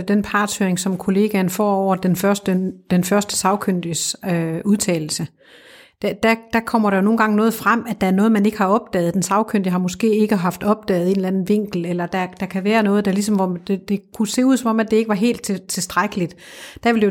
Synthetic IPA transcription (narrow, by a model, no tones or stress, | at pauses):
d̥enpʰɑ̈ːd̥søɐeŋsɒ̽mkʰo̝le̝ːɡ̥ænfɒ̰ːɒʊ̰ɐd̥enfɶɐsd̥əd̥enfɶɐsd̥ə̥sɑ̈ʊkʰøn̰d̥isøuðˠt͡sʰɛ̰ːl̩sə | d̥æd̥æd̥ækʰɒ̽m̰ɐɾ̥æjo̝no̝ːn̩ɡɑ̈ŋnɔ̽ːð̞̩ˠfʁam̰æd̥ææɐnɔ̽ːð̞̩ˠmæne̝ɡ̥əhɑ̈ɒ̽b̥̚d̥ɛ̰ːð̩ˠd̥ensɑ̈ʊkʰøn̰d̥jihɑ̈mɔ̽sɡ̥e̝̰ːe̝ɡ̥əɦɑ̈fd̥ɒ̽b̥̚d̥ɛ̰ːð̩ˠe̝ːnlænn̩ʋe̝ŋ̰ɡ̥l̩elɐd̥æd̥ækʰæʋæːɐnɔ̽ːð̞̩ˠd̥ælis̬ɒ̽mʋɒd̥ed̥e̝kʰuse̝̰ːuð̰ˠsɒ̽mɒ̽mæd̥e̝e̝ɡ̥əʋɑɦe̝̰ːld̥̚t͡sʰet͡sʰe̝sd̥ʁaɡ̥əlid̥ | d̥æʋe̝ld̥ej